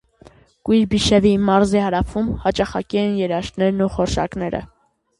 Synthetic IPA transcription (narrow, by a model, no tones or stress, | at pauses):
kujɾbiʃɛvimɑɾzɛhɑɾɑfʰumhɑt͡ʃɑχɑ̰kɛɛnjɛɾɑʃt̪nɛɾnuχɔɾʃɑ̰knɛɾə̰